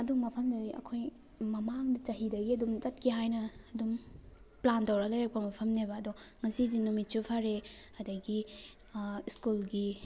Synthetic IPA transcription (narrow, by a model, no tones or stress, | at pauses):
ɐdumɐpʰɐmdoiɐ̰kʰoj | mɐmaŋdɐt͡ʃɐɦidɐɡiɐdumt͡ʃɐt̚kiɦajnɐːdum | plantɐwɾɐlɐjɾak̚pɐmɐpʰɐmnebɐːdɔŋɐsiz̬inumit̚t͡ʃupʰaɾe | ɐdɐɡi | iskulɡi